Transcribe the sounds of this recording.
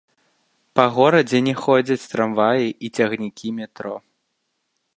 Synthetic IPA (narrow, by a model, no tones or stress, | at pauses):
pɐɣɔɾɐd͡zʲɛnʲɛxɔd͡zʲɐt͡sʲst̪ɾamvajiʔit͡sʲɐɣnʲikʲimʲɛt̪ɾɔ